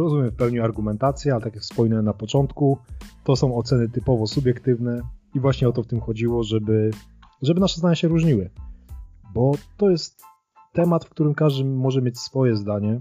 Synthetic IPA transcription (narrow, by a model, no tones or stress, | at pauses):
ɾɔzumʲjɛmfpɛwɲiaɾɡumɛnt̪at̪sʲjɛalɛt̪akʲjakspɔjnɛnapɔt͡ʂɔnt̪kut̪ɔsɔ̃w̃ɔt̪sɛnɘt̪ɘpɔvɔsubʲjɛkt̪ɘvnɛivwaɕɲɛɔt̪̬ɔft̪ɘmxɔd͡ʑiwɔʐɛbɘ | ʐɛbɘnaʂɛzd̪aɲaɕɛɾuʐɲiwɘ | bɔt̪ɔjɛst̪ː | ɛmat̪fkt̪uɾɘmkaʐd̪ɘmːɔʐɛmjet͡ɕsfɔjɛzd̪aɲɛ